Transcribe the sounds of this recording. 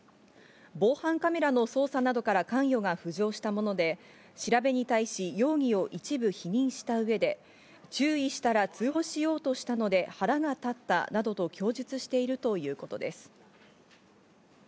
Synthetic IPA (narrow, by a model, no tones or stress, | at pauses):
bo̞ːhãŋkame̞ɾano̞so̞ːsanad̪o̞kaɾakãɰ̃jo̞ɡaɸɯ̟ʑo̞ːɕi̥t̪amo̞no̞d̪e̞ | ɕiɾabe̞ɲ̟it̪aiɕijo̞ːŋ̟io̞ʔit͡ɕibɯ̟çiɲ̟ĩɰ̃ɕi̥t̪aɯ̟e̞d̪e̞ | t͡ɕɨːiɕi̥t̪aɾat͡sɨɦo̞ɕijo̞ːt̪o̞ɕi̥t̪ano̞d̪e̞haɾaɡat̪at̪ːa̰nad̪o̞t̪o̞kʲʰo̞ːʑit͡sɨɕi̥t̪e̞iɾɯ̟t̪o̞jɯ̟ːko̞t̪o̞d̪e̞sɨ̥